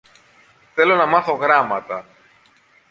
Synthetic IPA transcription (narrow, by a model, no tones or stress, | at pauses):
θe̞lo̞nɐmɐθo̞ɣɾɐmɐt̪ɐ